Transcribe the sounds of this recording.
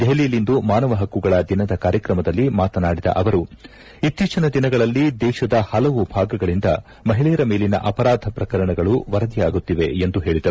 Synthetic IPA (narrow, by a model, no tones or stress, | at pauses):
d̪eɦliːlind̪umaːnɐʋɐɦɐkːuɡɐɭɐd̪inɐd̪ɐkaːɾjɐkɾɐmɐd̪ɐlːimaːt̪ɐnaːɽid̪ɐ̰ʔɐʋɐɾu | it̪ːiːt͡ʃɐnɐd̪inɐɡɐɭɐlːid̪ɛːʃɐd̪ɐhɐlɐʋubʱaːɡɐɡɐɭind̪ɐ | mɐɦiɭiːɾɐme̞ːlinɐ̰ʔɐpɐɾaːd̪ʱɐpɾɐkɐɾɐɳɐɡɐɭuʋɐɾɐd̪ijaːɡut̪ːiʋe̞end̪uɦe̞ːɭid̪ɐɾu